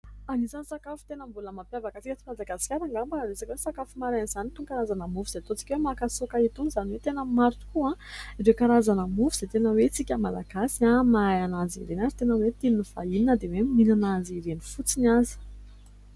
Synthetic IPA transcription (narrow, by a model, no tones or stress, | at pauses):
anisanisakafu̥t̪enəmbuləmampjavakət͡sikət͡simad̪aɡasi̥kʲaɾaŋɡambaanesakʲwesakafumaɾanizanit̪uŋkaɾazanəmufuz̥et̪ot͡si̥kʲwemakasokait̪unizaniwet̪enəmaɾʈ͡ʂu̥kuãiɾekaɾazanəmufuz̥et̪enəwet͡sikʲəmala̰ɡasiamaajanazḭɾenazit̪enəwet̪ininifaininəd̪eweminanaziɾenifut͡sinazi̥